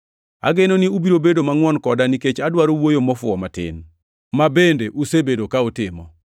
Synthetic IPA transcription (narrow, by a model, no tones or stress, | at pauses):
a̰ɡenonɪubiɾobedomaŋwɔnkɔdaniket͡ʃadwaɾowojomɔfʊɔmatɪ̰n | mabendeʔusebedokaotɪmɔ̰